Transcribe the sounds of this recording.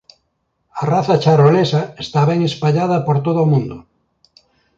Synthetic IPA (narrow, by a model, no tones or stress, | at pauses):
araθat͡ʃaɾolesaest̪aβɛŋespaʎað̞apoɾt̪oðomũnd̪o